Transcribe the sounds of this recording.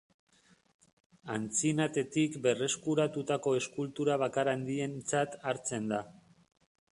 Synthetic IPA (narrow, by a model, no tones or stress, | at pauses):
ant͡sinat̪e̞t̪ikbe̞re̞skuɾat̪ut̪ako̞e̞skult̪uɾaβ̞akaɾand̪ie̞nt͡sat̪aɾt͡se̞nd̪a